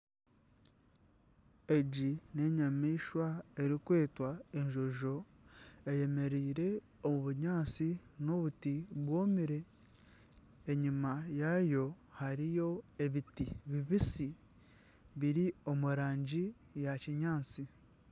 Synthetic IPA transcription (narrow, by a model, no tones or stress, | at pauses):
e̞ɟine̞ɲamiːʃwae̞ɾikwe̞ːtwae̞ɲʒo̞ʒo̞ | eje̞me̞ɾiːɾe̞ | omuβuɲaːt͡sino̞βutiβwo̞ːmiɾe̞ | ɲimajajo̞ | haɾijo̞e̞βitiβiβisi | βiɾio̞muɾaːɲɟi | jaciɲaːt͡si